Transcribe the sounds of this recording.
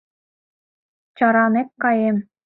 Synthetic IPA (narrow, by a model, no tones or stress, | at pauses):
t͡ɕɑɾɑnekːɑjem